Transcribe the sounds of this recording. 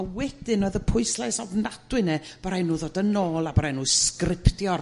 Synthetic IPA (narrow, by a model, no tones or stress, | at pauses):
awɛdɨnɔðəpʰʊɨslɛsɔvnadwɨnɛb̥aɾajnuːðɔdənoːlˠabaɾajnuːskrɪpʰtjɔr